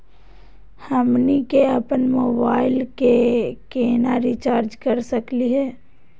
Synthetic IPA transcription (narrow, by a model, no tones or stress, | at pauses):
həmnikeəpənmoːbaːɪlkekeːnaɾit͡ʃaːɾd͡ʒkəɾsəkliɦɛː